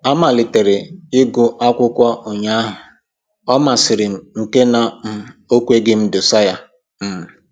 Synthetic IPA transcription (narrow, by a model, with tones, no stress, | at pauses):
a˦ma˨lɪ˨te˨ɾe˨ɪ˦ɡʊ˨ʔa˦kʷʊ˦kʷɔ˦ʔo˨ɲa˦ɦʊ˨ | ɔ˦ma˨sɪ˨ɾɪ˨m̩˨ŋ̩˨ke˦na˨m̩˦o˦kʷe˦ɡɪ˦m̩˦dʊ˨sa˦ja˦ | m̩˨m̩˨